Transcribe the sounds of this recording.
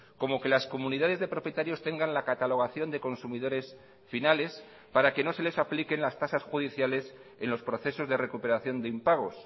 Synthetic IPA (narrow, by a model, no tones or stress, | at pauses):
ko̞mo̞ke̞lasko̞mũniðaðe̞zðe̞pɾo̞pjet̪aɾjo̞st̪e̞ŋɡanlakat̪alo̞ɣaθjo̞nd̪e̞ko̞nsumiðo̞ɾe̞s | finale̞s | paɾake̞no̞se̞le̞saplike̞nlast̪asasxuð̞iθjale̞se̞nlo̞spɾo̞θe̞so̞zðe̞re̞kupe̞ɾaθjo̞nd̪eimpaɣ̞o̞s